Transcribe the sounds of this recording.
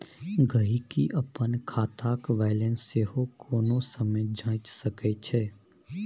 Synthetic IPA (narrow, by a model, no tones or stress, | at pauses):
ɡəɦikiʔɐpənkʰaːt̪aːkʋaːɪlẽnsːeːɦokʰoːnõsəməd͡ʒãːt͡ʃsɐkɛt͡ʃʰɛː